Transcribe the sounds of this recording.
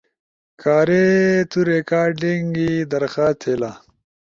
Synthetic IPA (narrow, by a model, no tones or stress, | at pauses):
kʰaːɾet̪uɾekaːɖiŋɡid̪ɐɾxaːst̪ʰela